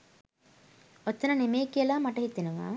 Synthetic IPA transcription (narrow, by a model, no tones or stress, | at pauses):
ot̪ːɐnɐnemeːkijəlaːmaʈɐɦit̪ːenuʋa̰ː